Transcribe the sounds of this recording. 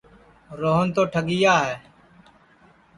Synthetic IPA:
ɾoːɦənt̪oːʈʰəɡɪjaːɦɛː

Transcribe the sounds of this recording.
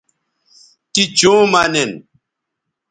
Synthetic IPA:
kid͡ʒõːmanen

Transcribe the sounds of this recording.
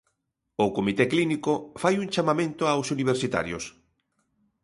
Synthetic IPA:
ʊkomit̪eklinikofajuŋt͡ʃamamẽnt̪ʊawsuniβ̞eɾsit̪a̰ɾjo̰s

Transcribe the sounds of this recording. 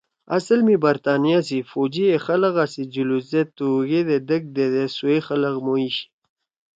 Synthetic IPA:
ɐ̰səlmibɐɾt̪aːnijas̬ifod͡ʑiexɐlɐɣasid͡ʑuluzet̪uɣed̪ed̪ək̚d̪ed̪esuexɐləɣmoiɕi̥

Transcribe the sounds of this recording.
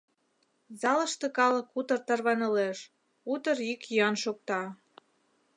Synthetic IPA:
zɑlə̆ʃt̪ĕkɑlɤ̆kut̪ərt̪ɑrβɑnɤ̆leʃ | ut̪əɾikjɑnʃok̚t̪ɑ

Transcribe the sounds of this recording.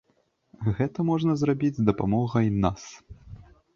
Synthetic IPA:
ɣɛt̪ɐmɔʐnɐzrabʲid͡zʲzd̪ɐpamɔɣɐjnas

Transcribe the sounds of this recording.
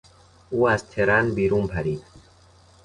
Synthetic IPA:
uːæzt̪ʰeɾænbiːɾuːmpʰæɾiːd̪

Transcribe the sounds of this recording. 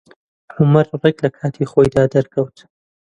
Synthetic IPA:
ʕʊmɐɾreklɐkʰaːt̪ʰixoːjd̪aːd̪ɐɾkʰɐwt̪

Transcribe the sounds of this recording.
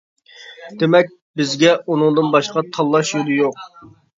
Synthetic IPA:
d̪̥ɪmɛk̚ʲ | bɪzɡʲɛunɨŋd̪ɨnbɑʃqɑt̪ʰɑlˠːɑʃjod̪ɨjoq̚

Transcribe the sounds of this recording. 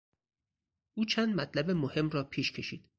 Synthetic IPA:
ʔuːt͡ʃʰænd̪mæt̪ʰlæbemohe̞mrɒːpʰiːʃkʰe̞ʃḭːd̪̥

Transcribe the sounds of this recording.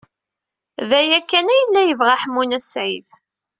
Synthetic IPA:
væjækːænæjəlːæjəvʁaħmːunæsʕið

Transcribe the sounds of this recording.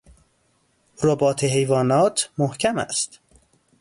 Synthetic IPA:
ɾobɒːt̪ʰeɦejvɒːnɒːt̪ʰmohcʰæmæ̰st̪

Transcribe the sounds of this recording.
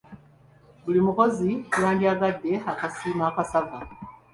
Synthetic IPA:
bulimuko̞zikulaːndiaɡadːe̞akasiːmaːkasava

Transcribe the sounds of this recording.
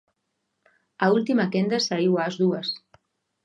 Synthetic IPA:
aulˠt̪iməkend̪əsəiwazðuəs

